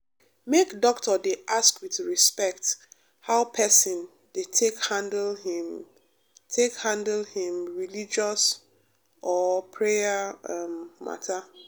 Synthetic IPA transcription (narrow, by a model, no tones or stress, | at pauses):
mekdɔktɔdeʔaskwiθɹispɛkt | haʊpʰɛsĩn | d̥etʰekhãndlhĩm | tʰekhãndlhĩmɹilid͡ʒɔs | ʔɔpʰɹeaamma̰tʰa